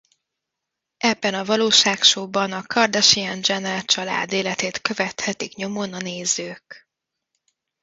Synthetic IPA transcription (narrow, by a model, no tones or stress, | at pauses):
ʔɛbːɛnɒvɒloːʃaːkʃoːbɒnɒkɒrd̪ɛʃiɛnd͡ʒɛnɛlt͡ʃɒla̰ːd̪eːlɛt̪eːt̪kø̞vɛt̪hɛt̪ikɲo̞mo̞nɒneːzøːk